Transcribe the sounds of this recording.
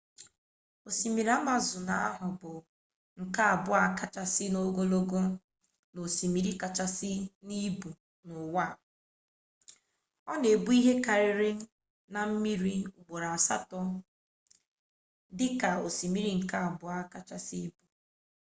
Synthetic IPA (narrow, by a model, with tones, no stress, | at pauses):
o˨si˨mi˨ɾa˦ma˨zʊ˨na˨a̰˦ɦʊ˨bʊ˨ | ŋ̩˨ka˦a˨bʊ˦a˨ka˦t͡ʃa˨sɪ˦no˦ɡo˦lo˦ɡo˦ | no˨si˨mi˨ɾi˦ka˨t͡ʃa˨sɪ˦ni˦bu˨ | nʊ˨wa˦˨ | ɔ˦ne˨bu˦i˦ɦe˦ka˨ɾɪ˨ɾɪ˦ | na˨m̩˦mi˦ɾi˦u˨ɡ͡bo˨ɾa˨a˨sa˦tɔ˦ | dɪ˦ka˨o˨si˨mi˨ɾi˨ŋ̩˨ka˦a˨bʊ˨a˦ka˨t͡ʃa˨si˦bu˨